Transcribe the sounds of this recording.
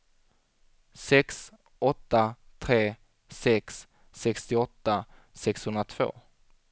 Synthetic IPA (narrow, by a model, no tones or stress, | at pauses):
sɛks | ɔt̪ːat̪ʰɾeː | sɛksː | ɛkst̪ɪɔt̪ːa | sɛkshɵnd̪ɾat̪ʰv̥o̰ː